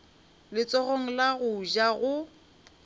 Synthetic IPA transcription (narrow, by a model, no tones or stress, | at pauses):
lɪt͡sʼɔɣoŋ̩laɣʊʒaɣʊ